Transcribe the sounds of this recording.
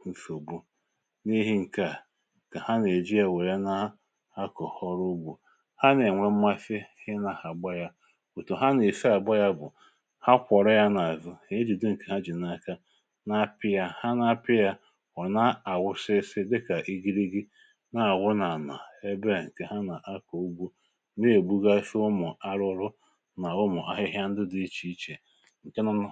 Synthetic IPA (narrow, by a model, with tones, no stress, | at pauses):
n̩˨so˨bu˦ | ni˦ɦi˦ŋ̩˨ka˨ | ka˨ha˦ne˨d͡ʒi˦ja˦˨we˨ɾe˦na˦a˦ | ha˦kɔ˨hɔ˦ɾu˦bu˨ | ha˦ne˨ŋʷe˦m̩˦ma˦fi˦hɪ˦na˨ha˨ɡ͡ba˦ja˦ | u˨tu˨ɦa˦ne˨si˦a˨ɡ͡ba˦ja˦bʊ̰˨ | ha˦kʷɔ˨ɾɔ˦ja˦na˨zʊ˦˨e˦d͡ʒi˨du˦ŋ̩˨ke˨ɦa˦d͡ʒi˨na˦˨ka˦ | na˦pɪ˦ja˦ha˦na˦pɪ˦ja˦ | ɔ˨na˦a˨ɣʷʊ˦sɪ˦sɪ˦dɪ˦ka˨ʔi˦ɡi˦ɾi˦ɡi˦ | na˨a˨ɣʷʊ˦na˨na̰˨e˦be˦˨ŋ̩˨ke˨ɦa˦na˨ʔa˦ko˨u˦ɡ͡bʷu˦ | ne˦e˨ɡ͡bu˦ɡa˦ʃʊ˦mʊ˨a˦ɾʊ˦ɾʊ˦ | na˨ʊ˦mʊ˨ʔa˦ɦɪ˦ɦja˦n̩˦dɪ˦dʊ˦i˦t͡ʃi˦i˦t͡ʃe˨ | ŋ̩˨ke˦na˦˨